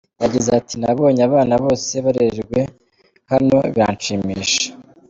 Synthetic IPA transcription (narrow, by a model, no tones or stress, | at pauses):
jaɟizeatinaβo̞ːɲaβaːnaβo̞ːse̞βaɾeʒɡwe̞ | hano̞βia̰ːnt͡ʃimiːʃḁ